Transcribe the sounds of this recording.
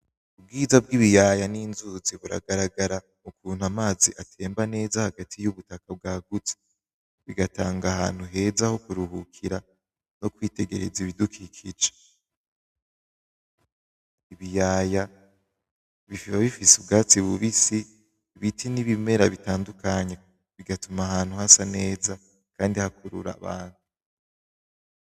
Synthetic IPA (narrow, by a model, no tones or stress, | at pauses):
ub̚ɡiːzabɡiβijajaniːnzuziβuɾa̰ɡaɾaɡaɾa | mukʰuːn̥hamaːziʔatʰe̞ːmbane̞ːzahaɡatʰijuβutakab̚ɡaːɡut͡se̥ | βiɡataːŋɡahaːn̥huɦe̞zaho̞kuɾuhukʰiɾa | no̞kwiːte̞ɡe̞ɾeziβidukʰikʰid͡ʒe̥ | iβijaːja | βifβaβifisub̚ɡaːt͡siβuβisi | βitʰiniβime̞ɾaβitaːndukaɲe̞ | βiɡatumaɦaːn̥huhasane̞ːza | kaːndihakʰuɾṵɾa̰βa̰ːn̥hu